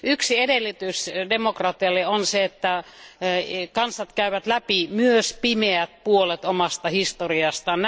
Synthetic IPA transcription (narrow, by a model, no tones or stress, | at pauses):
yksiedelːˑit̪ysdemokrɑt̪iɑlːeonseet̪ːæ | kɑnsɑt̪kæyʋæt̪læpimyøspimeæt̪̚puolet̪omɑst̪ɑhist̪oriɑst̪ɑnn